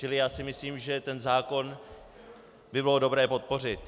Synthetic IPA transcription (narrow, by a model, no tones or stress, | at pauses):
t͡ʃɪlɪjaːsɪmɪsliːmʒɛt̪ɛnzaːko̞n | bɪbɪlodo̞bɾɛːpo̞t̪̚po̞r̝ɪt̪